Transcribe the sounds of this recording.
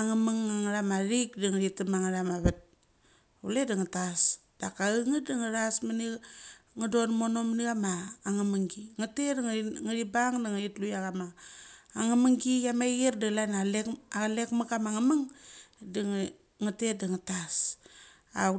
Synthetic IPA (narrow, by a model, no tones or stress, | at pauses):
aŋamaŋaŋɾamaɾikdiŋɾitamaŋaɾamaβat̚ | uledaŋatasd̥akaɯŋədaŋəɾasmaniŋədo̞nmonomniɣamaːŋaməŋɡiŋatedŋŋaɾibaŋdaŋaɾitlujaɣamaː | ŋamaŋɡijamaɣerdalanalealekmakamaŋamaŋdi | ŋatedaŋatas | a